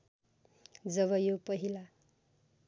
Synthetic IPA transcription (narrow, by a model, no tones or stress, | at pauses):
d͡zʌβʌjopʌɦila